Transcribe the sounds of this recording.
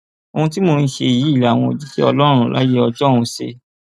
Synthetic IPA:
o˧hũ˧ti˦mo˧n̩˦˧˨ʃe˧˨ji˨˦i˦˨la˨w̃ɔ̃˧o˨d͡ʒi˦ki˦ɔ˧lɔ˦ɾ̃ũ˦la̰˦je˦ɔ˧d͡ʒɔ˦ũ˧sḛ˧

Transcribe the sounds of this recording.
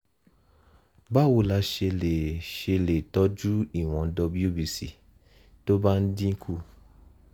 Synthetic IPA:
ba˦˨wo˧˨la˧ʃe˧le˨ʃe˧le˨tɔ˨˦d͡ʒu˦i˦˨w̃ɔ̃˨dɔ˧bi˦o˦˨bi˨si˨ | to˦ba˦n̩˦dĩ˦kʰu˦˨

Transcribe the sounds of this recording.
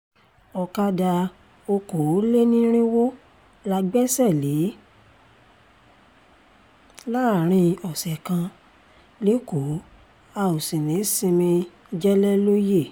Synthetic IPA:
ɔ˨ka˦da˧ | o˧ko˨˦le˦nĩ˦ɾ̃ĩ˦wo˦ | la˧ɡ͡bɛ˦sɛ˦˨le˨˦ | la˦˨ɾ̃ĩ˧ɔ˨sɛ˨kã˧ | le˨˦ko˨˦ | a˧˨o˨sĩ˨nĩ˨˦sĩ˧mĩ˧˦ | d͡ʒɛ˦lɛ˦lo˦je˦˨

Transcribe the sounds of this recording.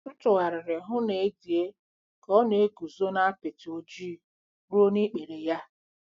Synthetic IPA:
ʊ˦tʊ˨ɣa˨ɾɪ˨ɾɪ˨ɦʊ˦ne˨e˦di˨e˦ | kɔ˦ne˨e˦ɡu˨zo˦na˦a˦pe˨tɪ˨o˨d͡ʒiː˦˨ | ɾo˦ni˦k͡pe˨ɾe˨ja˦

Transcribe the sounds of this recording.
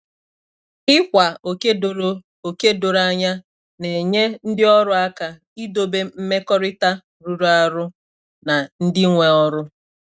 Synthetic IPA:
ɪ˦kʷa˨o˨ke˦o˨ɾ | o˨ke˦do˨ɾa˦ɲa˦ | ne˨ɲe˦n̩˦dɪ˦ɔ˦ɾʊ˦a˦ka˨ | i˦do˨be˦m̩˦me˦kɔ˦ɾɪ˦ta˦ | ɾu˨ɾu˦a˦ɾʊ˦ | na˨n̩˦dɪ˦ŋʷe˨ɔ˦ɾʊ˦

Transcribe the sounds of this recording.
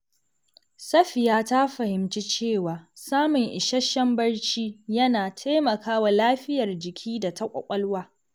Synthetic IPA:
sɐ˦ɸɪ˨jaː˦ta˦ɸɐ˨hɪ˨mt͡ʃi˦t͡ʃeː˦˨waː˨saː˦mʊ˨ŋʔɪ˨ʃɐ˦ʃɐ˦mbɐ˦rt͡ʃiː˦jɐ˦naː˨tʰa˦jmɐ˨kʰaː˦wa˨laː˦ɸɪ˦jɐ˨rd͡ʒɪ˨kʲʰiː˦da˨tʰɐ˦kʷʼɐ̰˨kʷʼɐ˦lwaː˦

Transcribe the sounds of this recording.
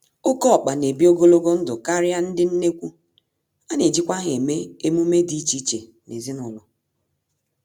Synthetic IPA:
ʊ˦kɔ˦ɔ˨k͡pa˨ne˨bi˦o˦ɡo˦lo˦ɡo˦n̩˦dʊ˨ka˦ɾɪ˦a˦n̩˦dɪ˦n̩˦ne˦kʷu˦ | a˦ne˨d͡ʒi˦kʷa˦ɦe˨me˦e˦mu˦me˦di˦t͡ʃi˦t͡ʃḛ˨ | ne˨zi˦nɔ˨lʊ˨

